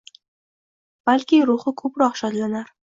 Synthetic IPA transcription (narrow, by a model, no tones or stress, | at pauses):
b̥alkʲɪɾʊhɪkʰɵpɾɒqʃɒt̪lanaɾ